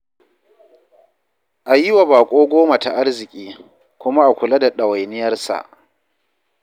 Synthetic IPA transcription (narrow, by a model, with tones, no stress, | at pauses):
ʔa˨jɪ˦wa˨baː˨kʷʼoː˦ɡʷoː˦ma˨ta˨ʔa˦rzɪ˨kʲʼiː˦ | kʷʊ˦ma˦ʔa˨kʷʊ˨la˦da˨ɗɐ˨wa˨jnɪ˦jɐ˦rsa̰˨ʔ